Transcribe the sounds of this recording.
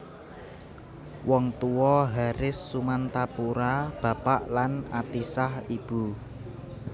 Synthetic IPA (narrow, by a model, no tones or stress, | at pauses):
wɔŋt̪uwɔɦaɾɪsːumant̪apuɾab̥ä̤paʔlanat̪isahib̥ṳ